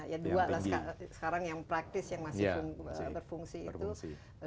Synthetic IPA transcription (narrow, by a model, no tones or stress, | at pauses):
jadualassə̥kaɾaŋjaŋpɾak̚t̪ɪsjaŋmasɪfŋbərfuŋsiːu